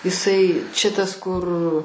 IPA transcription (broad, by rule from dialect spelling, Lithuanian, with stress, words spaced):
ɪˈsɐɪ ˈt͡ʃʲɛ tɐs ˈkʊr